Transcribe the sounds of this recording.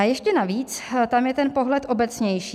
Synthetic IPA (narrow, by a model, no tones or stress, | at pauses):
ajɛʃcɛnaviːt͡st̪amjɛt̪ɛnpo̞ɦlɛt̪ʔo̞bɛt͡sɲɛjʃiː